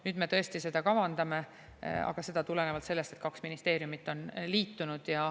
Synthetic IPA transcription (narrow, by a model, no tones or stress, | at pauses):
nyːd̪̥me̞t̪ɤ̞e̞st̪ise̞d̪ɑkɑvɑnd̪ɑme̞ | ɑ̰ɡ̥ɑse̞d̪̥ɑt̪ule̞ne̞vɑlt̪se̞lːest̪e̞t̪̚kɑksminist̪eːɾjumit̪ːˑo̞nliːt̪ːunud̪̥jɑ